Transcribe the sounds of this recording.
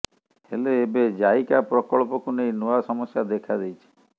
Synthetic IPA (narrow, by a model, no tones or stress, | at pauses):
heleːbed͡ʒajkapɾɔkɔɭpɔkunejnoasɔmɔsjad̪ekʰad̪ejt͡ʃʰi̥